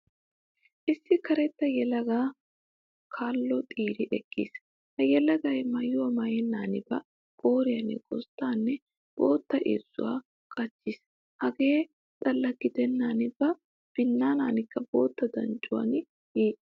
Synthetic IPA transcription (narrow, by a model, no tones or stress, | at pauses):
ʔɪsːɪkɐɾɛt̪ːɐjɛlɐɡaː | kʰaːlːɔt̪ʼiːɾɪʔɛkːḭːs | hɐjɛlɐɡɐjmɐjʊwɐmɐjɛnːaːnɪbɐ̰ | ɡʼoːɾɪjɐnːɛ̰kʼɔ̰st̪ːaːnːɛ | b̥oːt̪ːɐʔḛːz̥ːʊ̰wa̰ː | kʼɐt͡ʃːɪs | hɐɡe̞ː | t̪ʼɐlːɐɡɪd̪ɛnːaːnɪb̥ɐ | b̥ɪnːaːnaːnɪkːɐbo̰ːt̪ːɐd̪ɐ̰nt͡ʃʼʊwɐ̰nɪ | iː